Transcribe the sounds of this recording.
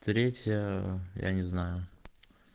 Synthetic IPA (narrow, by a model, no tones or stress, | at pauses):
t̪ɾʲetʲjəja̰nʲɪznajʊ